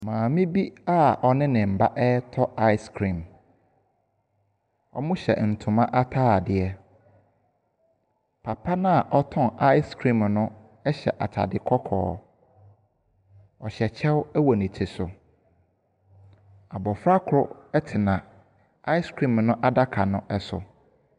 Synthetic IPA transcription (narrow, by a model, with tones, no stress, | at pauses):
mãː˨mɪ̃˦bi˦a˦ɔ˨nɪ̃˦nɪ̃˨m̩˨ba˦ʔɛ˦tʰɔ˦a˦ɪ˦skʰɾĩ˨m | ɔ̰˦mʊ̃˦ɕɛ̰˨n̩˨tʰʊ̃˨mã˦ʔa˦tʰaː˦˨dɪ˨ɛ˦ | pʰa˨pʰa˦nã˦a˨ʔɔ˦tʰɔ̃˦na˦ɪ˦skʰɾĩ˦˨mnʊ̃˦ | ɛ˦ɕɛ̰˨ʔa˨tʰa̰˨dɪ˨kʰɔ˦kʰɔ̰ː˨ | ɔ˨ɕɛ˨t͡ɕʰɛ˦wɛ˦wɔ˨nɪ̃˨tʰɪ˨sʊ˨ | a˨bɔ˨fɾa˦kʰʊ˨ɾʊ˦ɛ˦tʰɪ˨nã˨ | a˦ɪ˦skʰɾĩ˦˨mnʊ̃˦ʔa˦da˦kʰa˨nʊ̃˦ʔɛ˦sʊ̰˨